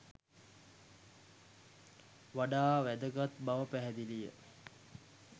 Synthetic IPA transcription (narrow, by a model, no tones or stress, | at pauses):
ʋaɖaːʋæd̪əɡat̪baʋəpæɦɛd̪ilijə̰